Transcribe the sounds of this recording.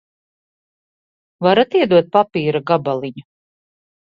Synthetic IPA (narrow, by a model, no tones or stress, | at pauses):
vaɾat̪iɛd̪uɔt̪̚papiːɾaɡabalˠiɲu